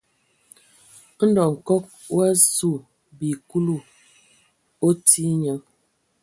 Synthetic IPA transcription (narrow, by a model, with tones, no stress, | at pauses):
n̩˦dɔ˨ŋ̩˨kɔ˦k̚ | wa˦su˦˨ | bi˨ku˦lu˦˨ | o˦ti˦ɲə˦